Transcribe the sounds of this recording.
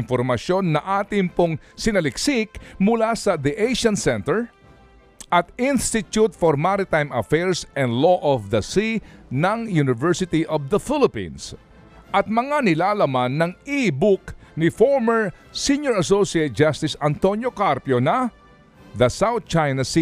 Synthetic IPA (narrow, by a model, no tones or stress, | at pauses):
nfoɾmɐsjo̞nːɐʔaːt̪ɪŋpoŋ | sɪnɐlɪksɪkmʊlasɐd̪iʔejʃɐ̃nsɛnt̪ɛɹ | ʔɐt̪inst̪ɪt̪jut̪foɾmaɾɪt̪ajmɐfɛɹsʔɛ̃nd̪loʔɔvd̪ɐsinɐŋjunɪvɛɹsɪt̪iʔɔvd̪ɐfɪlɪpḭ̃ns | ʔɐt̪̚mɐŋanɪlaːlɐmanːɐŋibʊk̚nɪfoɹmɛɹ | siɲjoɹɐs̬osiet̪̚d͡ʒast̪ɪsɐnt̪o̞njokaɾpjonɐ | ðɐsawθ̚t͡ʃajnɐsi